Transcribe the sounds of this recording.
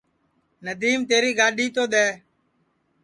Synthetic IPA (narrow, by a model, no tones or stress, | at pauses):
nəd̪iːmt̪eːɾiːɡaːɗiːt̪oːɗ̪ɛː